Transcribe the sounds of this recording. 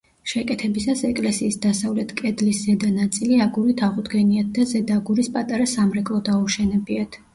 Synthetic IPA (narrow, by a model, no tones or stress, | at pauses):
ʃɛkʼɛt̪ʰɛbisasɛkʼlɛsiːsd̪asavlɛt̪ʰkʼɛd̪lisz̥ɛd̪anat̪sʼiliaɡuɾit̪ʰaʁud̪ɡɛniat̪̚d̪azɛd̪aɡuɾispʼat̪ʼaɾasamɾɛkʼlˠɔd̪auʃɛnɛbiat̪ʰ